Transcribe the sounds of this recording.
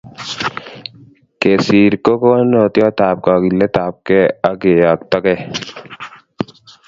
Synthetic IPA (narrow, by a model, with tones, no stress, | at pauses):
ke˨siː˨ɾko˦ko˦no˨t̪jɔ˦t̪aː˨p̚kɔː˨ki˨lːɛ˦t̪aː˨p̚kɛ˦a˦ɡe˨ja˨kt̪ɔ˦kɛ˦˨